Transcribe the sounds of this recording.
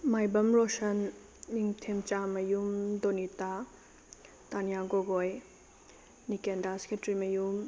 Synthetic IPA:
majbɐmɾosɐnː | iŋtʰemt͡ʃamɐjumdonita | tanijaɡoɡoj | nikendase̥ketɾimɐjum

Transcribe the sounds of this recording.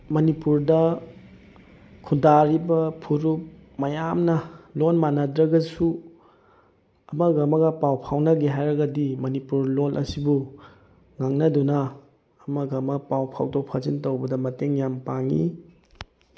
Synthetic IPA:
mɐnipuɾdɐ | kʰudaɾibɐpʰuɾup̚mɐjamnɐlonmanɐdɾɐɡɐsu | ɐmɐɡɐmɐɡɐpawpʰawnɐɡiɦajɾɐɡɐdimɐnipuɾlolʔɐ̰sibu | ŋaŋnɐdunɐː | mɐɡɐmɐpawpʰawtowpʰazintowbɐdɐmɐteŋjampaŋḭ

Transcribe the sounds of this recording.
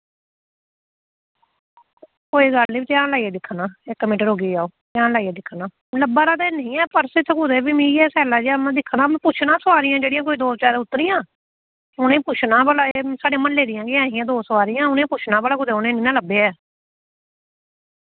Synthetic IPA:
koːiːɡəlnĩːt̪jaːnlaːiːɛːd̪ɪkʰnãːɪkːmɪ̃ːʈəɾoːɡiːd͡ʒaːoːt̪jaːnlaːiɛːd̪ɪkʰːnãː | ləbaːɾaːd̪eːnəɦĩːɛːpəɾsɪt̪ʰːkʊd̪eːbiːmiɛːsɛːlaːd͡ʒamɛ̃ːd̪ɪkʰːnãːm̃ːpʊt͡ʃʰnãːsʋaːɾɪjãːd͡ʒeːɽɪjãːk̬oːiːd̪oːt͡ʃaːɾeːʊt̪ːəɾijãː | ʊnẽːpʊt͡ʃʰnãːbəlaesaːɖeãːmənleːɾɪjãːɡɪaːɦiːãːd̪oːsəʋaːɾijãːʊnẽːpʊt͡ʃʰnãːbəlaːkʊd̪eːʊnẽːnĩːnãːləbeːɛː

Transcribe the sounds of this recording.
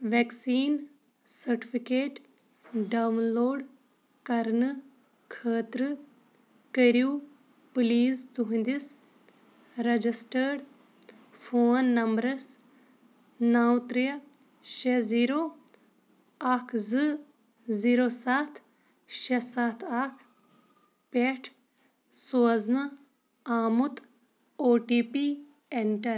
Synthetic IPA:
ʋeːksiːn | sɐɾʈifʰikeːʈ | ɖaːwnloːɖ | kɐɾnɨ | kʰəːt̪ɾɨ | kəɾjuː | pliːzt̪uɦĩnd̪is | ɾɐd͡ʒisʈəɾɖ | fʰoːnːɐmbɾɐs | naːwt̪ɾijɐ | ʃeziːɾo | akʰzɨ | ziːɾoːsat̪ʰ | ʃesat̪ʰakʰ | peʈʰ | soːznɐ | aːmut̪ | oːʈiːpi | eɳʈɐɾ

